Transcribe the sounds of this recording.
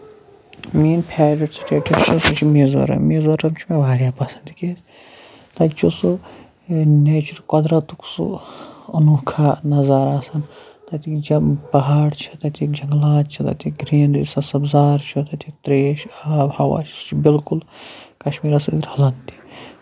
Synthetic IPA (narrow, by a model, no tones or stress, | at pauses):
miːnpʰaːɾiʈsɨt͡ʃʰeʈɐʃusut͡ʃʰimeːzo̰ɾɐ̰miːzoɾɐmt͡ʃʰimebaːɾjaːpɐsɐnd̪ikʲes | t̪ɐt͡ʃʰusu | net͡ʃʰuɾkɐd̪ɾɐt̪uksṵɐnukʰaːnɐzaːɾaːsɐnt̪ɐt̪ʰikd͡ʒɐpɐɦaːɽt͡ʃʰɐ̥t̪ɐt̪ʰikd͡ʒɐŋɡlaːt̪t͡ʃʰit̪ɐ̰t̪ʰikɡɾiːnisɐsɐbzaːɾt͡ʃʰut̪ɐt̪ʰik̚t̪ɾeːʃaːbhɐwa̰ːt͡ʃʰi̥st͡ʃʰibilkulkɐʃmiːɾɐsɐd̪ɾhɐlɐnt̪i̥